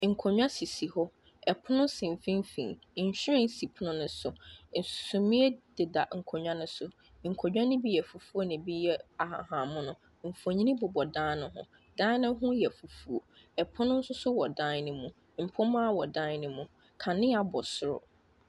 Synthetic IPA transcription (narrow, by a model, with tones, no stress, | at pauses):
ŋ̩˨kʰo˨ɲᶣ˦ã˦si˨si˨hɔ˦ | ɛ˨pʰʊ˦nʊ̃˦sɪ̃˨m˨fĩ˦m˦fḭ̃˨ | ɕᶣɪ˦ɾɪ̃˦n˦si˨pʰʊ˦nʊ̃˦nʊ̃˨˦sʊ˨n̩˨ssʊ˨mĩ˦ɛ˦d̥ɪ˨da˨ŋ̩˨kʰo˨ɲᶣã˦nʊ̃˦sʊ˨ | ŋ̩˨kʰɔ˨ɲᶣ˦ã˦nʊ̃˦bi˦jɛ˨fu˨fu˦o˦nɪ̃˨bi˦jɛ˦a˨ha̰˨hã˨mʊ̃˦nʊ̃˨ | m̩˨fu˨o˨ɲĩ˦nĩ˦bʊ˨bɔ˨dãː˦nʊ̃˦ɦʊ̰̃˨ | dã˦nʊ̃˦ɦʊ̃˦jɛ˨fu˨fu˨o˨ | ɛ˨pʰʊ˦nʊ̃˦n̩˦sʊ˦sʊ˦wɔ˨dã˦nʊ̃˨mũ˨ | m̩˨pʰʊ̃˦mã˦wɔ˨dã˦nʊ̃˨mũ˨ | kʰa˨nɪ̃˦a˨bɔ˨sʊ˦˨ɾʊ̰˨